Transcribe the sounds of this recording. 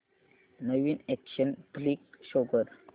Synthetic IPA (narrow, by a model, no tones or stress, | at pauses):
nəʋiːnekɕənplikɕoɡəɾ